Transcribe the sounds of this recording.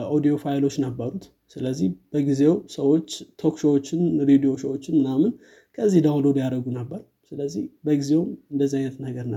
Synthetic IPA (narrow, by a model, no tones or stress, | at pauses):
ʔod̪ijo̞fajlo̞t͡ʃːnəbːəɾut̪ | sɨləzːihb̥əɡizewsəwo̞t͡ʃːt̪ʰo̞kʃo̞wot͡ʃːɪnɾed̪ijo̞səwot͡ʃːɪnmɨnamɨn | kʰəzːihd̪awlo̞d̪jaɾəɡunəbːəɾu | sɨləzːihbəɡizewmɨnd̪əzːiajnət̪nəɡəɾnə